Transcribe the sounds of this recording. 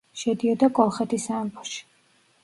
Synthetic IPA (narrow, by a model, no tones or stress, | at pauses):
ʃɛd̪iɔd̪akʼɔlˠχɛt̪ʰisaɛmbɔʃi̥